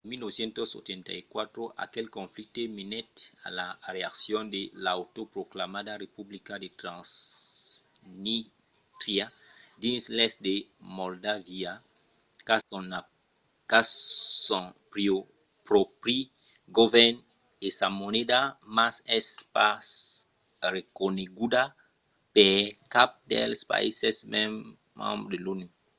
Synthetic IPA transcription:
emilnoβesjẽnt̪oso̰t̪ẽnt̪a̰ikwat̪ɾoʔa̰kelkõɱflik̚t̪emenɛt̪a̰lareaksjond̪elawt̪opɾoklamad̪arepublikad̪et̪ɾãs | ni | t̪ɾjad̪inslesd̪emold̪avia | kana | kasɔ̃pɾio | pɾopɾi | ɡovɛn | esamonedamasɛspas | ɾekoneɡuda | pɛkap̚dɛ̰lspa̰ḭsɛsmɛ̃mː | ã̰mbɾdeluni

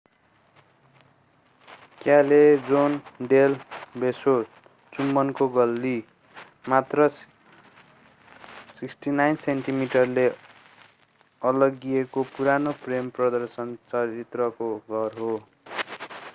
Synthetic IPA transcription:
kjaled͡zonɖelbeso | t͡sumːʌnkoɡʌlːi | mat̪rʌ | siksʈinajnsenʈimiʈʌrle | ʌlʌɡiekopuɾanopremprʌd̪ʌrsʌnt͡sʌɾit̪rʌkoɡʱʌrɦo

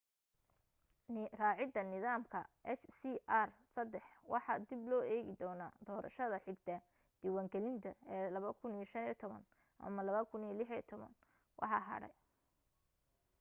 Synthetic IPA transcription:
raːʕɪd̪ɐnɪðaːmkʰɐʔɛt͡ʃsiʔarsɐd̪ɛħwɑħɑ̰d̪ɪblɔːɛːɣɪd̪ɔːnaːd̪ɔːɾɐ̰ʃɐðɐħɪɡt̪ʰɐ | d̪̥iwaːŋɡɛlɪnt̪ʰɐɛːlɐβɐkʰʊniʃɐniːt̪ʰɔβɐ̰n | ʔɐ̰mɐlɐβɐkʰʊniːlɪħit̪ʰɔβɐ̰n | wʔɑ̰ħɑ̰ːɦɐ̰ɽɛ̰j

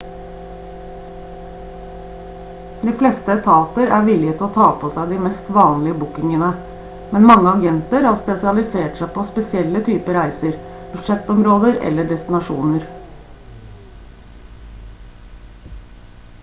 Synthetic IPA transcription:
d̪iːflɛst̪əɛt̪ʰɑːt̪əɾæːʋɪlɪət̪ʰɪloːt̪ʰɑːpʰosæɪd̪iːmɛst̪ʋɑːnlɪəbʊkɪŋənə | mɛnmɑŋːəɑɡɛnt̪əɾhɑːspɛsɪɑlɪseːʈsæɪpʰoːspɛsɪɛlːət̪ʰyːpəɾæɪsəɾb̥ʉd̪ʂɛt̪ɔmɾoːd̪əɾɛ̰lːəɖɛst̪ɪnɑʂuːnəɾ

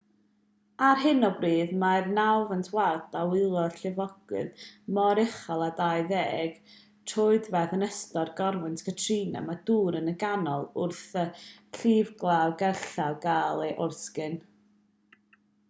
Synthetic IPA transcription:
arɦɪnɔbriːðmarnawvəntʰwardawɪlˠɔɬɪvɔɡ̥wɨ̰ðmɔɾɛχalˠadaɨðeːɡ̥ | tʰʊɨdvɛðənɛstɔrɡɔrwɨntʰkʰətʰriːna̰maduːɾənəɡanɔlˠʊrθəɬiːvɡlˠawɡɛrɬawɡaːlˠeʔʊrskɨn

